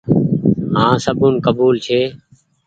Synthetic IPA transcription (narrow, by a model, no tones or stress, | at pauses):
ɦãːsəbunkəbuːlt͡ʃʰeː